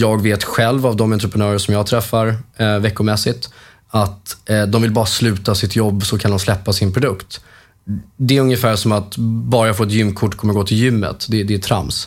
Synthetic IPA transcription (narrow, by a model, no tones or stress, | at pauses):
jɑːɡveːt̪ɧɛlvavd̪ɔmɛnt̪ɾəpʰɾənœːɾəʂɔmjɑːɡt̪ʰɾɛfːaɾvɛkːʊmɛsɪt̪ | at̪d̪ɔmvɪlbɑːɾaslʉ̟ːt̪asɪt̪jɔbːsɔkʰand̪ɔmslɛpːasɪnpʰɾʊd̪ɵkt̪ | d̪ɛæɾɵŋjəfæːʂɔmat̪bɑːɾafoːɛt̪̬jʏmːkʰʊʈːkʰɔmːəɾɡoːt̪ʰɪljʏmːə̰t̪d̪ɛd̪ɛːt̪ʰɾa̰ms